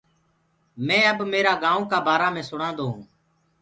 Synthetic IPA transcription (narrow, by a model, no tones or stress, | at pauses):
mɛ̃ːəbmeːɾaːɡãːõːkaːbaːɾaːmẽːsʊɽãːnd̪oːɦũː